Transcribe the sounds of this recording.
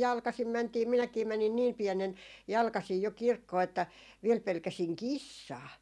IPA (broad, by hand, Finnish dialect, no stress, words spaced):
jɑlkɑsim mæntiː minækiː mænin niːm piɛnen jɑlkɑsiː jo kirkːoː etːæ ʋiel pelkæsiŋ kisːɑː